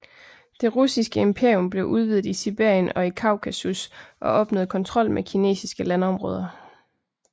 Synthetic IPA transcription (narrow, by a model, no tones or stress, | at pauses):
d̥e̝ʁusisɡ̥əe̝mpʰe̝ɐ̰jɔ̽mb̥le̝ʔuð̞ˠʋið̞̩ˠisib̥eɐ̰jənɒ̽ikʰɑ̈ʊkʰæsusʔɒ̽ʔɒ̽b̥no̰ːð̩ˠkʰɒ̽nt͡sʰʁɒ̽l̰mʔekʰine̝̰ːsisɡ̥əlænɒ̽mʁɔ̰ːð̞ˠɐ